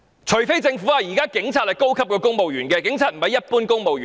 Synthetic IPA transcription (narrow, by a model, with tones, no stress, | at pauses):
t͡ʃʰɵ˨˩ɥfe˥jt͡sɪ˧ŋfu˨˥a˨jiː˨˩kaː˥kɪ˨˥ŋt͡sʰaː˧t̚hɐ˨jko˥wkʰɐ˥p̚kɔː˧kʊ˥ŋmo˨wjyː˨˩nkɛː˧kɪ˨˥ŋt͡sʰaː˨t̚m̩˨˩hɐ˨jɐ˥t̚puː˥nkʊ˥ŋmo˨wjy˨˩